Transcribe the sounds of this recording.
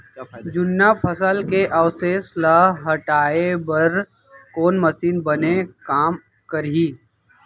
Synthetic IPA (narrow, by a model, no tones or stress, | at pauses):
d͡ʒʊnːapʰəsəlkeʔɐwseːslaɦɐʈaːebɐɾ | koːnməsiːnbɐnekaːm | kəɾiː